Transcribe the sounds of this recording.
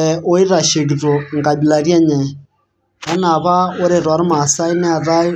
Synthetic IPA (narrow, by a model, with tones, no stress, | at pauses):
ʔo˦i˦ɾa˨ʃe˨ɣi˨ðɔ˨ŋɡa˨bi˨la˨ɾjɛ˦ɲɛ˨ | a˦na˨βa˦o˦ɾe˨ɾwa˨˦ɾɪ˦ma˨sa˦i˦nɛ˦a˨ða˦i˦